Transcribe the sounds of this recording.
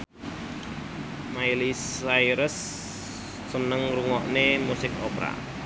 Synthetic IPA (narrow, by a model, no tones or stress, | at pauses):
majlisajɾəsː | ənəŋɾuŋɔʔnemusɪkopɾa̰